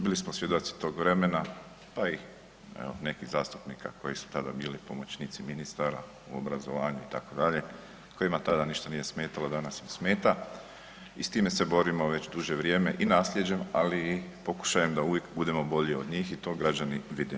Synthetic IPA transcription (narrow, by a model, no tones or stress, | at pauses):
bilismosʋje̞d̪ot̪si̥t̪o̞ːɡʋɾe̞me̞na | pai | ḛo̰ne̞kizaːst̪u̥pnika̰ko̞jisu̥t̪ad̪a̰biːlipo̞mo̞t͡ɕniːt̪siminist̪aɾa | uo̰bɾazo̞ʋaːɲuit̪akod̪aʎe̞ | ko̞jimat̪ad̪aniʃt̪anije̞smeːt̪alod̪anasimsme̞ːt̪a | ist̪iːmese̞bo̞ɾimo̞ʋe̞t͡ɕd̪uʒeʋɾjeːme̞ʔinaːslʎje̞d͡ʑe̞malipo̞ku̥ʃajemd̪auʋje̞kbud̪e̞mo̞bo̞ʎeo̞d̪ɲiːxit̪o̞ːɡɾad͡ʑaniʋid̪i